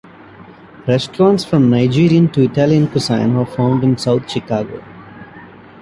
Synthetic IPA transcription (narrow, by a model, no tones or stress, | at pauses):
ɾɛsʈɾɔ̃ːnʈsfɾɔ̃mnaɪd͡ʒiːɾiə̃nʈuɪʈæliə̃nkʊsãɪ̃nəfãʊ̃ɳɖɪ̃nsaʊt̪̚ʰʃɪkaːɡo̰ː